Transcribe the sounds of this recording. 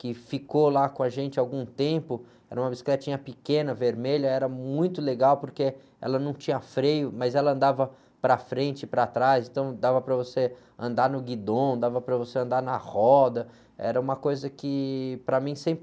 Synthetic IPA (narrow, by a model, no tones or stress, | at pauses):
kɪfikolakõaʒẽnt͡ʃɪawɡũt̪ẽpʊ | ɛ̰ɾɐũmɐbisi̥klɛt͡ʃĩɲɐpɪkẽnɐveɾmeʎɐɛɾɐmũj̃t̪ʊleɡawpoɾke | ɛ̰lɐnɐ̃w̃t͡ʃĩɲɐfɾejʊmɐzɛlɐɐ̃nd̪avɐ | pɾɐfɾẽnt͡ʃɪpɾɐt̪ɾaszẽnt̪ɐ̃w̃d̪avɐpɾɐvose | ɐ̃nd̪aɾnʊɡid̪õd̪avɐpɾɐvoseɐ̃nd̪aɾnɐhɔd̪ɐ | ɛ̰ɾɐũmɐkojzɐkɪpɾɐmĩsẽmpɾɪ